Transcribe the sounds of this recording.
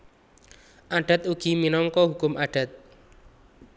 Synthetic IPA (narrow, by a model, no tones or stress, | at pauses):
ʔaɖ̥a̤t̪uɡ̥i̤minɔŋkɔɦukʊmʔaɖ̥a̤t̪̚